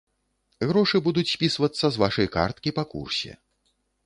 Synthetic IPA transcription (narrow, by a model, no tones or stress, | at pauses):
ɣɾɔʂɨbud̪ut͡sʲsʲpʲisvɐt̪sːɐzvaʂɐjka̰rt̪̚kʲipɐkṵrsʲɛ̰